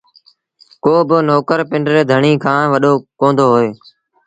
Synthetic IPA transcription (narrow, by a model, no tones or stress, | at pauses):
koːbɪnoːkəɾpɪɳɖɾeːd̪ʱəɳiːkʰãːʋəɗoːkõːnd̪oːɦoːeː